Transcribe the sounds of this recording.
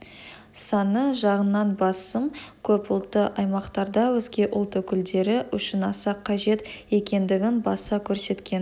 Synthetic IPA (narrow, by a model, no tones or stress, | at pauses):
sɑnəʒɑʁənːɑnbɑsəmkʲʰɵpʊlˠt̪əʔɑjmɑqt̪ɑɾd̪ɑwɵzɡʲe̞ʔʊlˠt̪əkʲʰʏld̪e̞ɾɪʏʃɪnɑsɑqʰːɑʒe̞t̪e̞kʲe̞nd̪ɪɡʲɪnbɑsɑkʲʰɵɾse̞t̪kʲʰe̞n